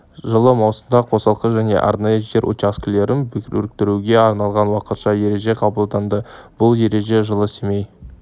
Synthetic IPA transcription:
ʒəlˠəmɑwsəmd̪ɑqʰo̞sɑlˠqəʒæne̞̰ʔɑ̰ɾnɑjəʒe̞ɾʔo̰t͡ʃasklʲe̞ɾʔɪnbɪkʲɪɾɵ̰ɾɪk̚t̪ɪɾuɡʲe̞ɑɾnɑlˠʁɑnwɑqət̪ʃɑje̞ɾe̞ʒe̞qʰɑbəlˠd̪ɑnd̪əb̥ʊlˠje̞ɾe̞ʒe̞ʒəlˠəsemej

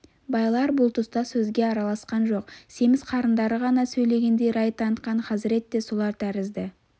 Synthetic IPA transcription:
bɑjlˠɑɾbʊlˠt̪ʰʊst̪ɑsɵzɡʲe̞ɑɾɑlˠɑsqɑnʒo̞qse̞mɪsqʰɑɾənd̪ɑɾəʁɑnɑsɵjle̞ɡʲe̞nd̪e̞jɾɑjt̪ɑnt̪qɑɴqʰɑzɪɾe̞t̪ːe̞solˠɑɾt̪ʰæɾɪzd̪ɪ

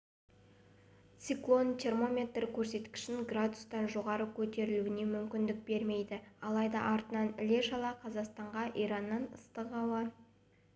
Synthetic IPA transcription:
t̪siklˠo̞nt̪ʲʰe̞rmo̞mʲe̞t̪rkʲʰɵɾse̞t̪kʲɪ̥ʃɪŋɡrad̪ʊst̪ɑnʒo̞ʁɑɾəkʲʰɵt̪e̞ɾɪluɪne̞mʏmkʲɪnd̪ɪk̚be̞ɾme̞jd̪ɪɑlˠɑjd̪ɑʔɑɾt̪ənɑnɪle̞ʃɑlˠɑqʰɑzɑqst̪ɑɴʁɑʔijɾɑnːɑnəst̪əqɑw̪ɑ

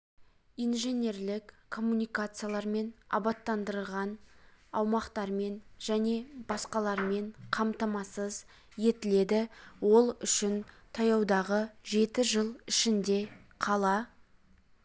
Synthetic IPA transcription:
ijnʒe̞nʲe̞ɾlɪkkʰːo̞mːunijkat̪sɨjalˠɑɾme̞nɑ̰bɑt̪ːɑnd̪əɾlʁɑnɑwmɑqt̪ɑɾme̞nʒ̥æne̞bɑsqɑlˠɑɾme̞ɴqʰɑmt̪ɑmɑsəz | je̞t̪ɪle̞d̪ɪwo̞lˠʏʃɪn | t̪ʰɑjɑwd̪ɑʁəʒe̞t̪ɪʒəlˠɪʃɪnd̪e̞ | qʰɑlˠɑ

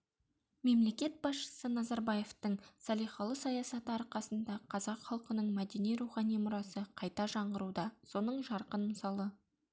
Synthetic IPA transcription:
me̞mle̞kʲe̞t̪̚bɑsʃə̥sənɑzɑɾbɑje̞ft̪əɴsɑlijχɑlˠəsɑjɑsɑt̪əɑɾqɑsənd̪ɑqʰɑzɑqχɑlˠqənəɴmæd̪e̞nijɾuχɑnijmʊɾɑsəqʰɑjt̪ɑʒɑɴʁəɾud̪ɑso̞nəɴʒɑɾqənməsɑlˠə

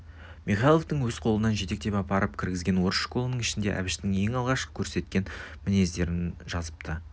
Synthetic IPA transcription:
miχɑjlˠo̞ft̪əɴwɵzqʰo̞lˠənɑnʒe̞t̪e̞k̚t̪e̞pɑpɑɾəpkʲʰɪɾɡʲɪzɡʲe̞nwo̞ɾəʃqʰo̞lˠənəɴɪʃɪnd̪e̞ʔæ̰bɪʃt̪ɪŋe̞ŋɑlˠʁɑʃqə̥kʲʰɵɾse̞t̪̚kʲe̞nmɪne̞zd̪e̞ɾɪnʒɑzəp̚t̪ə

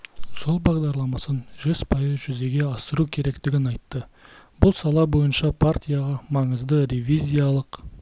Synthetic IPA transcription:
ʒ̥olˠbɑʁd̪ɑɾlˠɑmɑsənʒʏz̥pʰɑjəzʒʏze̞ɡʲe̞ɑsəɾukʲʰe̞ɾe̞kt̪ɪɡʲɪnɑjt̪ːəbʊlˠsɑlˠɑbo̞jənʃɑpʰaɾt̪ʲijaʁɑmɑɴəzd̪əɾevʲizʲijalˠəq

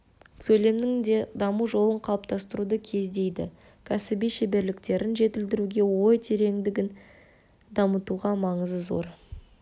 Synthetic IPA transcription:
sɵjle̞mnɪŋd̪e̞d̪ɑmuʒo̞lˠəɴqʰɑlˠəp̚t̪ʰɑst̪əɾud̪əkʲʰe̞zd̪e̞jd̪ɪ̰ | kʲʰæsɪbijʃebe̞ɾlɪk̚t̪e̞ɾʔɪnʒe̞t̪ɪld̪ɪɾuɡʲe̞wo̞jt̪ʰe̞ɾe̞ŋd̪ɪɡʲɪn | d̪ɑmət̪uʁɑmɑɴəzəzo̞̰ɾ

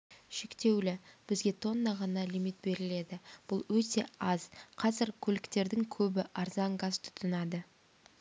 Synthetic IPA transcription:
ʃe̞kt̪e̞wlɪb̥ɪzɡʲe̞t̪ʰo̞nːɑʁɑnɑlijmit̪̚be̞ɾɪle̞d̪ɪb̥ʊlˠwɵt̪e̞̰ɑzqʰɑzɪɾkʲʰɵlɪkt̪e̞ɾd̪ɪŋkʲʰɵbɪʔɑɾzɑŋɡɑzt̪ʰʊ̥t̪ʰənɑd̪ə

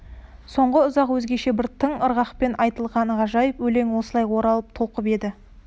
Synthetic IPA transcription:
so̞ɴʁəʊzɑqwɵzɡʲe̞ʃe̞bɪɾt̪ʰəɴəɾʁɑqpe̞nʔɑjt̪əlˠʁɑnəʁɑʒɑjəpwɵle̞ŋwo̞səlˠɑjwo̞ɾɑlˠəp̚t̪ʰo̞lˠqəpe̞d̪ɪ

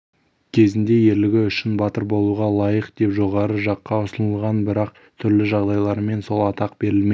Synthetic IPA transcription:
kʲʰe̞zɪnd̪e̞je̞ɾlɪɡʲɪʏʃɪnbɑt̪əɾbo̞lˠuʁɑlˠɑjəqd̪e̞pʒo̞ʁɑɾəʒɑqːɑʊsənəlˠʁɑnbɪɾɑq | t̪ʰʏɾlɪʒɑʁd̪ɑjlˠɑɾme̞nso̞lˠɑt̪ɑqb̥e̞ɾɪlme

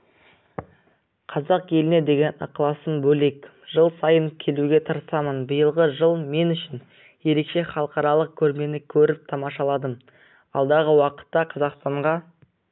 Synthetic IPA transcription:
qʰɑzɑqje̞lɪne̞d̪e̞ɡʲe̞nɑ̰qlˠɑsəmbɵle̞k | ʒ̥əlˠsɑjəŋkʲʰe̞luɡʲe̞t̪ʰəɾəsɑmənbəjəlˠʁəʒəlˠme̞nʏʃɪn | je̞ɾe̞kʃe̞χɑlˠəqɑɾɑlˠəq̚kʲʰɵɾme̞nɪkʲʰɵɾɪp̚t̪ʰɑmɑʃɑlˠɑd̪əm | ɑ̰lˠd̪ɑʁəwɑqə̥t̪ːɑqʰɑzɑqst̪ɑɴʁɑ

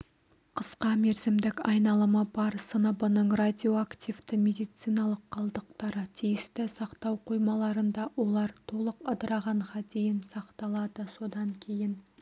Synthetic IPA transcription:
qʰəsqɑme̞ɾzɪmd̪ɪkɑjnɑlˠəməbɑɾsənəbənəɴrad̪ʲio̞akt̪ʲivt̪ɪmʲe̞d̪ijt̪sijnɑlˠəqqʰːɑlˠd̪əq̚t̪ɑɾət̪ʰijɪst̪ɪsɑqt̪ɑwqʰojmɑlˠɑɾənd̪ɑwo̞lˠɑɾt̪ʰo̞lˠəqəd̪əɾɑʁɑɴʁɑd̪e̞jɪnsɑqt̪ɑlˠɑd̪əso̞d̪ɑŋkʲʰe̞jɪn

